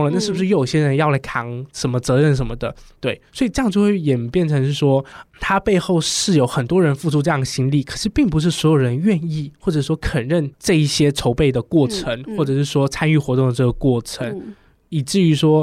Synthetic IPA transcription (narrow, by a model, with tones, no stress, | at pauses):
ŋə˩na˥˧ʂɻ̩˥˩bu˩ʂɻ̩˥˩jo˨˩ʊ˩ɕjɛ˥ɻə˧˥njɑ˥˧ʊla˧˥ɪkʰɑ˧˥ŋʂə˧˥nmə˧t͡sɤ˧˥ɻə˥˩nʂ̬ə˧˥nmə˧d̪ə˨t̪we˥˩ɪswɔ˧˥i˨˩ʈ͡ʂɤ˥˧jɑ˥˧ŋt͡ɕo˥˧xwjɛ˨˩npjɛ˥˩nʈ͡ʂʰɤ˧˥ŋʂ̬ɻ̩˥˩ʂwɔ˥t̪ʰa˥pe˥˧ɪxo˥˧ʊʂɻ̩˥˩jo˧˥ʊxə˨˩nt̪wɔ˥ɻə˧˥nfu˥˧ʈ͡ʂʰu˥˧ʈ͡ʂɤ˥˧jɑ˥˩ŋə˩ɕi˥nli˥˩kʰɤ˨˩ʂɻ̩˥˧pi˥˩ŋp̬u˧˥ʂ̬ɻ̩˥˩swɔ˧˥jo˨˩ʊɻə˧˦nɥɛ˥˧ni˥˩xwɔ˥˩ʈ͡ʂɤ˨˩ʂ̩˥˩ʂwɔ˥kʰə˨˩nɻə˥˧nʈ͡ʂɤ˥˧i˥˩ɕjɛ˥ʈ͡ʂʰo˧˥ʊpe˥˩ɪd̪ə˩kwɔ˥˩ʈ͡ʂʰə˧˥ŋxwɔ˥˩ʈ͡ʂɤ˨˩˥ʂɻ̩˥˩ʂwɔ˥t͡sʰa˥ny˥˩xwɔ˧˥t̪ʊ˥˩ŋd̪ə˩ʈ͡ʂɤ˥˩ɡə˩kwɔ˥˩ʈ͡ʂʰə˧˥ŋ | i˨˩ʈ͡ʂɻ̩˥˩y˧˥ʂwɔ˥